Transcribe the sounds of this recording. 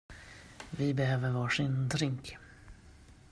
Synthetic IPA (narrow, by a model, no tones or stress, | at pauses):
vɪbɛhøːvəɾvɑːʂɪnd̪ɾɪŋk